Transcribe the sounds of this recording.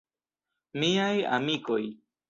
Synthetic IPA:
mijaja̰mikoj

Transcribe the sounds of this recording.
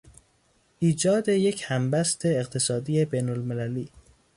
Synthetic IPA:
ʔiːd͡ʒɒːd̪e̞jecʰhæmbæst̪ʰe̞ːqt̪ʰe̞sɒːd̪iːebejnolmelæliː

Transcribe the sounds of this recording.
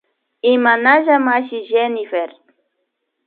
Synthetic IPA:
imanaʒamaʃiʒenifeɾ

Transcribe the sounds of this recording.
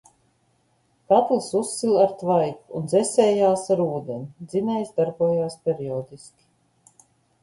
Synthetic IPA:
k̪at̪lˠsusːilaɾt̪vajkuːnd̪zɛsʲɛːjaːsaɾuːd̪enid̪zinʲɛjsd̪aɾbuɔjaːspʲɛɾiɔːd̪iskʲi̥

